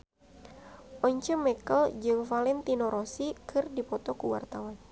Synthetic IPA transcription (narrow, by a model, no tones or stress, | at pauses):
ʔɔɲt͡ʃəmɛkəld͡ʒɨŋfalɛnt̪inɔɾʔɔsikʰɨrdipɔt̪ɔkuwa̰rt̪awan